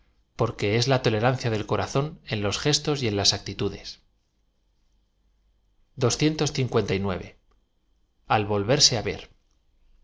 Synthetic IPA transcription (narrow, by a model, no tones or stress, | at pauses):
po̞ɾke̞e̞zlat̪o̞le̞ɾan̟θjaðe̞lko̞ɾaθo̞ne̞nlo̞sxe̞st̪o̞sje̞nlasak̚t̪it̪uðe̞s | d̪o̞sθje̞nt̪o̞sθiŋkwe̞nt̪ajnwe̞̰β̞e̞̰ | alβo̞lβe̞ɾse̞aβe̞̰ɾ